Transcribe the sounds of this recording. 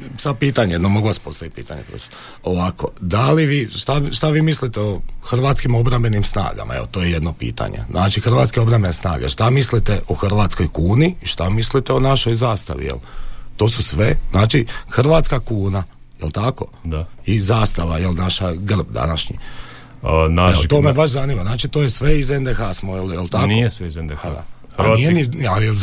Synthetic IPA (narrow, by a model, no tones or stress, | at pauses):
sapiːt̪aɲejed̪nomo̞ɡuʋaspo̞st̪aʋit̪̚pḭːt̪aɲḛpɾo̰st̪ | oʋako̞d̪aliʋiːʃt̪aʃt̪aʋiːmislit̪eoxr̩ʋat̪skimo̞bɾambe̞nimsna̰ːɡa̰mʔa̰ḛot̪o̞ːjeje̞d̪no̞pḭːt̪a̰ɲḛznʔaːt͡ʃixr̩ʋaːt̪skeo̞bɾambe̞nesna̰ːɡeʃt̪amislit̪e̞ʔoxr̩ʋat̪sko̞jkuːniiʃt̪amislit̪eo̞naʃo̞jzaːst̪a̰ʋḭjḛlt̪o̞ːsusʋe̞znaːt͡ʃixr̩ɾʋaːt̪skakuːna | jelt̪ako̞̰ | izaːst̪aʋajelnaʃaɡr̩bd̪a̰naʃɲḭ | naet̪o̞ːmebaʃ̬zanimaznaːt͡ʃit̪oːjesʋe̞izend̪exaːsmojeljelt̪aknoesʋeizend̪ea̰ | anijenialjel